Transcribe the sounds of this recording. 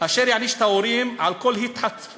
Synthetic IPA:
kaːʃeʁjaʕniʃt̪aoɾimʕalko̞lhit̪ħat͡s

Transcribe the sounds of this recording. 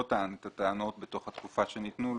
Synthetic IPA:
ot̪anet̪at̪eano̞t̪̚beto̞χhat̪kufaʃe̞nit̪nu

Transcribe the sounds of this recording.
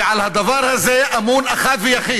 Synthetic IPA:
ʕalhad̪avaɾhazeʔamuːnʔaxat̪vijaxiː

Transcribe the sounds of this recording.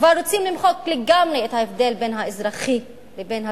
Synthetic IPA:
kvaɾːot͡simlimχokleɡamʁeethaefd̪e̞lbe̞nɦaezɾaχi | lebenha

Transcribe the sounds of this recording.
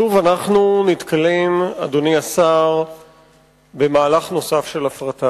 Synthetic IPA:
ʃuvanaχnunit̪kʰalemad̪o̞niasaʁ | be̞maːlaχno̞safʃe̞lafʁata

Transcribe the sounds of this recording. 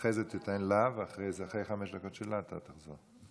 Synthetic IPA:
ejzet̪itanlavaχʁejzaχʁejχameʃd̪ako̞t̪ʃelat̪a̰t̪aχzoʁ

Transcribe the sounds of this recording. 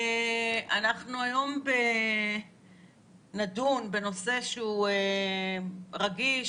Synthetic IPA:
anaχnuajo̞mbe̞ | nadunbe̞no̞se̞ʃeue | ʁaɡiʃ

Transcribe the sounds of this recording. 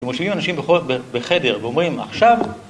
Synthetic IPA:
ʃemoʃivimanaʃimbeobebeχede̞ʁveo̞mʁima̰χʃav

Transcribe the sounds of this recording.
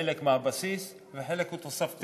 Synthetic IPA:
elekmaabasis | veħelekut̪asaft̪

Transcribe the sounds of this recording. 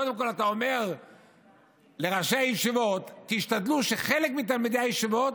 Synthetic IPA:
od̪emko̞lat̪aome̞ʁ | leʁaʃajeʃivo̞t̪kiiʃt̪ad̪luʃeχelekmit̪̬almid̪eajeʃivo̞t

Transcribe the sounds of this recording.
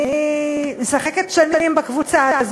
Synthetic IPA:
mesaχe̞ketʃaninimbakvut͡saz

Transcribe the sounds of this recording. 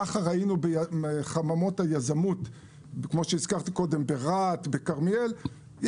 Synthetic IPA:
aχaʁainubeeχamamo̞thajazamut̪ | kmo̞ʃeiz̥kaʁt̪iko̞d̪e̞mbeʁat̪be̞kaʁmiel | j

